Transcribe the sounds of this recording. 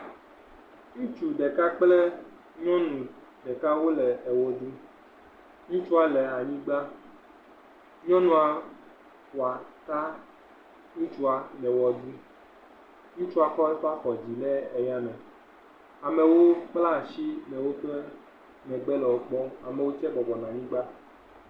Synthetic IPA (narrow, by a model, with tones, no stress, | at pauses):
ɲũ˦t͡ʃu˨ɖe˨ka˦k͡plɛ˦ | ɲɔ̃˦nũ˨ | ɖɛ˨ka˦wo˦lɛ˨ɛ˨wo˦d̪i˦ | ŋũ˦t͡ʃu˦a˨lɛ˨a˨ɲĩ˦ɡ͡ba˦ | ɲɔ̃˦nũ˨a˨ | kwa˨t̪a˦ | ŋũ˦t͡ʃu˦a˨lɛ˨wɔ˨d̪u˦ | ŋũ˦t͡ʃu˦a˨xɔ˦ɛ˦fa˦xɔ˨d͡ʑi˨lɛ˦e˨ja˦nɛ̃˨ | a˨mɛ˨wo˦k͡pla˦˨ʃi˦lɛ˨wo˦ɸe˦ | mɛ̃˨ɡ͡bɛ˦lɛ˨wo˦k͡pɔ˦a˨mɛ˨wo˦t͡ʃɛ˦ɡ͡bɔ˨bɔ˨nã˨ɲĩ˦ɡ͡ba˦